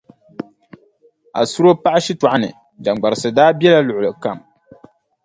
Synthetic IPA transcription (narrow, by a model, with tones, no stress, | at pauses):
a̰˨su˦ɾo˦pa˦ʔa˦ʃi˦ta˨ʔa˦nɨ̰˨ | d͡ʒa˨ŋ͡mɡ͡ba˨ɾɨ˨sɨ˨daː˦bjɛ˦la˦lʊ˨ʔʊ˨lɨ˨ka˦˨m